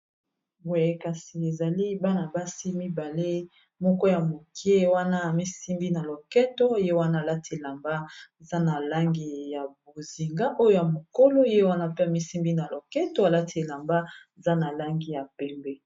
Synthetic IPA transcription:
wɛ˨ka˨si˨e˨za˨li˦ba˦na˨ba˦si˦mi˦ba˨le˦ | mɔ˦kɔ˦ja˨mo˨ki˦e˦wa˦na˦a˨mi˦si˦mbi˦na˨lo˨kɛ˦to˦˨je˦wa˦na˦˨la˦te˨la˨mba˦e˨za˦na˨la˦ŋɡi˨ja˨bo˨zi˨ŋɡa˦ʔo˦jo˦ja˨mo˨ko˦lo˦je˦wa˦na˦pe˦a˨mi˦si˦mbi˦na˨lo˨kɛ˦to˦a˨la˦tʰi˨e˨la˨mba˦e˨za˦na˨la˦ŋɡi˦ja˨pɛ˦mbɛ˦

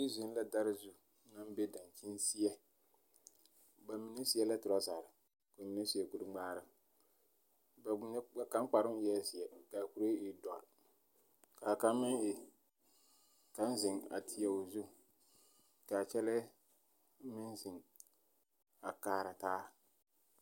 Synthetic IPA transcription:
i˦zɪ˦n˦la˦da˦ɾɪ˦zu˦ | na˦m˦be˦da˨n˨t͡ʃɪ˦nsi˦jɛ˦ | ba˨mi˨ne˦si˦ɛ˦la˦tʊ˨ɾa˦zaː˨ɾɪ˨ | ko˨mi˦na˦si˨ɛ˨ku˨ɾɨ˦ɡ͡baː˦ɾɨ˦ | ba˨ɲ˦a˨ka˦m˦k͡pa˨ɾɪ˦m˦ɛ˦si˨ɛ˨ka˨ku˨ɾe˦ɪ˨dɔ˨a̰˨ | ka˨ka˦mːɪ˦ŋɪ˨ | ka˦n˦zɪ˨ŋa̰˨tʰi˨jɛ˨o˨zu˦ | ka˨t͡ʃɛ˦lɛ˦ | mɪ˦nzɪ˨ŋ | a˨kaː˨ɾa˨taː˦

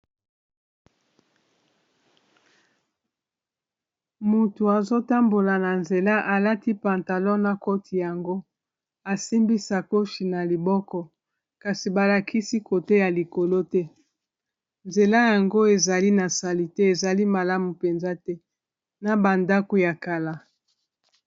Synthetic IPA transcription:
mu˨tu˨a˨zo˦ta˦mbo˨la˨na˨nze˨la˦ʔa˨la˦ti˦pa˨nta˨lɔ˦na˨ko˦tʰi˨ja˨ŋɡo˦ | a˨si˦mbi˦sa˨ko˦ʃi˨na˨li˨bɔ˦kɔ˦ | ka˨si˨ba˨la˨kʰi˦si˦ko˨te˦ja˨li˨ko˨lo˦tɛ˦ | nze˨la˦ja˨ŋɡo˦e˨za˨li˦na˨sa˨li˨te˦e˨za˨li˦ma˨la˦mu˨pe˨nza˦tɛ˦ | na˨ba˨nda˦ko˦ja˨ka˨la˦

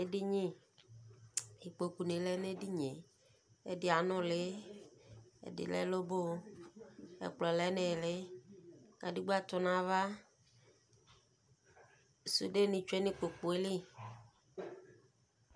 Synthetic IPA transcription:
e˦di˦ɲĩ˦ | i˨k͡po˨ku˨nẽ˨le˦ne˦di˦ɲẽ˨ | ḛ˦dɪ˨a˨nɔ̃˦le˦ | ḛ˦dɪ̰˨lɛ̰˦lo˦bo˦ | ḛ˨k͡plɔ˨le˦nẽ˨le˦ | ɡa˨di˦ɡ͡bo˦a˦t̪ɔ˨nã˦va˦ | sṵ˦ɖe˦nĩ˨t͡ʃu˦e˦nĩ˦k͡po˨k͡po˨e˦li˦

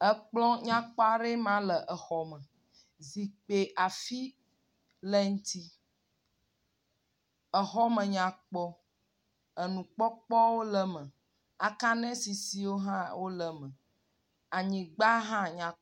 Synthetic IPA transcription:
ɛ˦k͡plɔ̃˦ɲã˦k͡pɔ˦a˨ɖe˦mã˦lə˨ʔə˨xɔ˨mɛ̃˨ | zi˨k͡pe˨ʔa˨fi˦ | lɛ˦ŋ̩˦t̪i˦ | ə˨xɔ˦mɛ̃˨ɲã˨k͡pɔ˦ | ə˨nũ˨k͡pɔ˦k͡pɔ˦wo˦lə˨mə̃˨ | a˨kã˦nɛ̃˦si˨si˦wo˦ɦã˦wʔo˦lə˨mɛ̃˨ | a˨ɲĩ˨ɡ͡ba˦ɦã˦ɲã˨

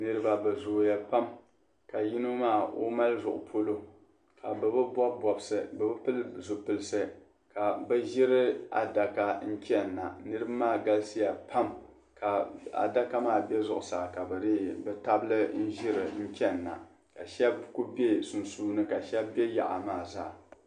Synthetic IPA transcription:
nɨ˦ɾɨ˦ba˦bɨ˨zoː˨ja˨pa˦m | ka˨ji˦no˦maː˦˨o̰˦ma˦lzʊ˨ʔʊ̰˨pʰo˦lo˦ | ka˨bɛ˨bɨ˦bɔ˦bbɔ˨bsɨ˨bɛ˨bɨ˦pɨ˦lzu˨pɨ˨lɨ˦sɨ˦ | ka˨bɛ˦ʒɪ˦ɾɨ˦a̰˨da˨ka˦n̩˦t͡ʃʲɛ˦nːa˨nɨ˦ɾɨ˦bmaː˦˨ɡa˦lsɨ˦ja˨pʰa˦m | ka˨a̰˨da˦ka˦maː˦˨bɛ˦zʊ˨ʔʊ˨saː˨ka˨bɨ˨ɾɪ˦bɛ˦ta˦blɨ˦n̩˦ʒɪ˦ɾɨ˨n̩˦t͡ʃʲɛ˦nː˨a̰˨ | ka˨ʃɛ˦bku˦be˦su˨nsuː˦nɨ˦ka˨ʃɛ˦bɛ˦ja̰˨ʔa̰˨maː˦˨zaː˦˨

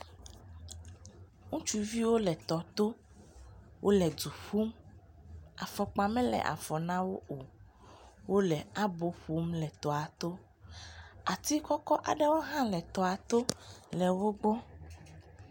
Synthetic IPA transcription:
ŋũ˦t͡ʃu˦vi˦wo˦lɛ˨t̪ɔ˨t̪o˦ | wʔo˦lɛ˨du˨ɸu˦m | a̰˨fɔ˨k͡pa˨mɛ̃˦lɛ̰˨ʔa̰˨fɔ˨nã˦wo˦o˨ | wo˦lɛ˨a˦bo˦ɸu˦mlɛ˨t̪ɔ˨a˨t̪o˦ | a˨t̪i˦kɔ˦kɔ˦ʔa̰˨ɖɛ˦wo˦ɦã˦lɛ˨t̪ɔ˨a˨t̪o˦lɛ˨wo˦ɡ͡bɔ˦

